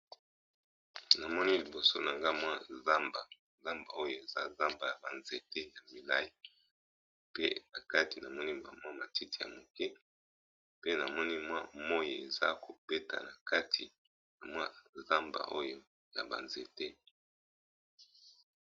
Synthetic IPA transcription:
na˨mɔ˦ni˦li˨bo˨so˦na˨ŋɡa˦mwa˦za˦mba˨ | za˦mba˨o˦jo˦e˨za˦za˦mba˨ja˨ba˨nze˨te˦ja˨mi˨la˦ji˨ | pe˦na˨ka˦ti˨na˨mɔ˦ni˦ma̰˨mwa˦ma˨ti˦ti˨ja̰˨mo˨kɛ˦ | pe˦na˨mɔ˦ni˦mwa˦mɔ˦je˨e˨za̰˦ko˨b̥e˦ta̰˨na˨ka˦tʰi˨ | na˨mwa˦za˦mba̰˨ʔo˦jo˦ | ja̰˨ba̰˨nze˨te˦

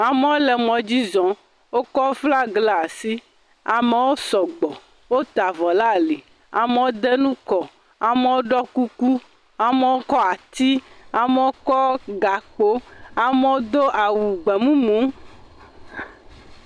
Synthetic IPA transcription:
a˨me˦wo˦lɛ˨mɔ̃˨d͡ʑi˦zɔ̃˨ | wo˦kɔ˦wo˦fla˦ɡla˨a˨si˦ | a˨me˨wo˦sɔ˨ɡ͡bɔ˨ | wo˦t̪a˨vɔ˨la˦li˨ | a˨me˨˦wo˦d̪ɛ˦nũ˦kɔ˨ | a˨me˨wo˦ɖɔ˦ku˦ku˦ | a˨me˨wo˦kɔ˦a˨t̪i˦a˨me˦wo˦kɔ˦ɡa˨k͡po˦a˨me˦wo˦d̪o˦ʔa˨wu˨ɡ͡bɛ˨mũ˦mũ˨˦

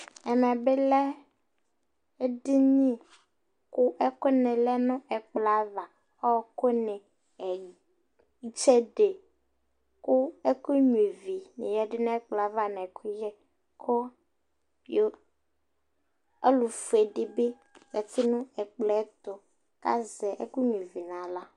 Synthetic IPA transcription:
ɛ˨mɛ̃˨be˦lɛ˦ | e˦ɖi˦ɲĩ˦˨ | ku˦ʔe˦ko˦nẽ˨lɛ˦nɔ̃˦ʔɛ˨k͡pla˨˦va˨ | ɔ˦˨ko˦nɛ̃˨ | ɛ˨˦ | t͡ʃe˦ɖe˨ | ku˦e˦ku˦ɲũ˨e˨vi˨nḛ˨ja˦ɖɪ˦nɛ̃˦ɛ˦k͡pla˨va˦nã˨kʰu˦jɛ˦ | kʰɔ˦ | jo˦ | e˦lu˨fu˨e˨ɖɪ˨be˦ | ja˨t̪i˦nũ˦ɛ˨k͡plɛ˦t̪ɔ˨ | ka̰˦zɛ˨ʔḛ˦ku˦ɲu˨e˨vi˨nã˨la˦

